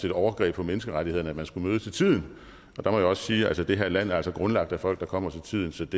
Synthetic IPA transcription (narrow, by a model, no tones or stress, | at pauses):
ed̥ɒʊɐɡ̥ʁɛ̰ːb̥ʰɒ̽menəsɡ̥əʁaɾihe̝ð̰ˠn̩æ̥mænsɡ̥umøːðˠt͡sʰe̝lt͡sʰið̞̰ˠn̩ | ʔɒ̽d̥ɑ̈mɒ̽jaɒ̽ssiːælsəd̥e̝ɦæɐlæn̰æɐælsɒɡ̥ʁɔ̽nlɑ̈ɡ̥̚d̥æfɒ̽l̰ɡ̥̚d̥ɑ̈kʰɒ̽m̰ɐt͡sʰe̝lt͡sʰið̞̰ˠn̩sɒ̽d̥e